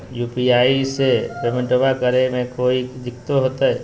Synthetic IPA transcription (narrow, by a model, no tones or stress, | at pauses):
jupiaːisepemə̃ɳʈoʋakəɾemẽkoːid͡ʒɪkt̪oɦoːt̪aɦɛ